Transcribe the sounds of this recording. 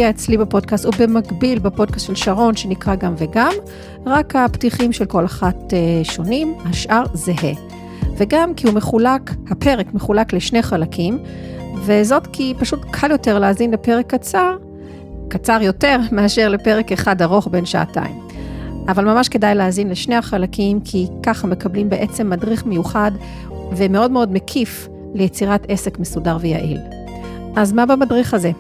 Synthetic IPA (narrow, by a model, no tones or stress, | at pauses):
iaet͡slibepo̞d̚kastubemaɡbilbepo̞d̚kastʃelʃaʁo̞nʃe̞nikʁaɡamveɡam | ʁakhaptiχimʃelko̞laχateʃo̞nimhaʃʔaʁzeɦe | veɡamkihumeχulakhapʰe̞ʁekme̞χulakleʃne̞χalakʰim | ve̞zo̞tkʰipaʃutkʰaljo̞te̞ʁleazinlepe̞ʁekːat͡saʁ | kat͡saʁjo̞te̞ʁmeaʃeʁle̞pe̞ʁe̞keχadaʁo̞χbe̞nʃa̰a̰ta̰imʔavalmamaʃke̞dajleazinleʃnehaχalakimkʰikaχame̞kablimbe̞ʔe̞t͡se̞mːadʁiχmejuχad | vemeo̞dmeo̞dmekʰif | lejet͡siʁate̞se̞kmesudaʁveja̰ʔḭl | ʔazmabamadʁiχaze̞